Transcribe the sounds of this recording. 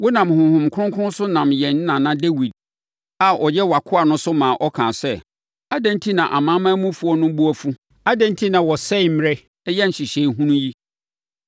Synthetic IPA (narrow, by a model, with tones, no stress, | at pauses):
wɔ˦nã˨mhʊ̃˨hʊ̃˨mkʰʊ˦ʊ̃˦ŋ˦kʰʊ˦ʊ̃˦sʊ˦nã˨mjɛ˨n˦nã˨nã˦de˦wi˨d̚ | a˨ɔ˨jɛ˦wa˨kʰʊ˦a˨nʊ̃˦sʊ˦mãː˨ʔɔ˦kʰã̰ː˨sɛ˦ | a˦dɛ̃˦ntʰi˦nã˨ʔa˨mã˦mã˦mũ˦fu˦ɔ˦nʊ̃˦bu˦ɔ˦fu˦ | a˦dɛ̃˦ntʰi˦nã˨wɔ˨sɛ˦˨m˦ɾɪ˦ | jɛ˦n̩˨ɕɪ˨ɕe˨i˦ɦũ˦nũ˦ji˦